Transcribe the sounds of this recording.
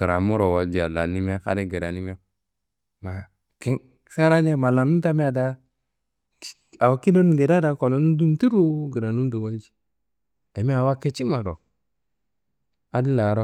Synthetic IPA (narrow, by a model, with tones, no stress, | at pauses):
ə˨ɾa˨mu˦ɾo˨wa˨d͡ʒi˨a˨la˨ni˦mi˦a˦ka̰˦ɾi˦ɡe˨ɾa˨ni˦m˦a˦ | ma˨ | ke˦ | ka˦ɾa˦n˦e˦ma˨la˨nu˦ta˦me˦a˨da˦ | a˨wa˨ki˦no˦n˨ɡe˨da˦da˨ko˨lo˨˦nu˦du˦m˦ti˦ɾu˦ɡi˨ɾa˨nu˦n˦do˨wa˦d͡ʒi̥˦ | e˨mi˦a˨wa˦ke˦t͡ʃi˦ma˨ɾo̰˨ | a˨˦di˦la˨ɾo˦